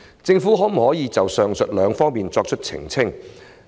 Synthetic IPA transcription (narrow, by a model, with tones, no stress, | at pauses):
t͡sɪ˧ŋfuː˨˥ɦɔː˨˥m̩˨˩hɔː˨˥jiː˨˧t͡sɐ˨wsœː˨ŋsɵ˨t̚lœː˨˧ŋfɔː˥ŋmiː˨nt͡sɔː˧k̚t͡ʃʰɵ˥t̚t͡sʰɪ̰˨˩ŋt͡sʰɪ˥ŋ